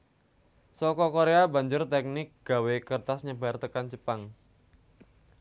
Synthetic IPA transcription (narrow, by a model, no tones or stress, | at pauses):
sɔkɔkoɾeaba̤ɲd͡ʒʊrt̪ɛk̚nɪk̚ɡ̥a̤wekərt̪asɲəbart̪əkant͡ʃəpaŋ